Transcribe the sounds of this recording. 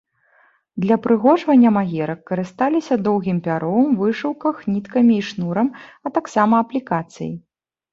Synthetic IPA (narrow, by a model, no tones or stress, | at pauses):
d̪lʲɐpɾɨɣɔʐvɐnʲːɐmaɣʲɛɾɐkːɐɾɨst̪alʲisʲɐd̪ɔwɣʲimpʲaɾɔmvɨʂɨwkɐxnʲit̪kɐmʲiːʂnuɾɐmɐt̪aksamɐːplʲikat̪sɨ̰jḭ